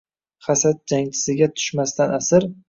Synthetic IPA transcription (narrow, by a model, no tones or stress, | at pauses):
χasat̪̚d͡ʒaŋt͡ʃʰɪ̥sɪɡʲat̪ʰʊ̥ʃmast̪anasɪɾ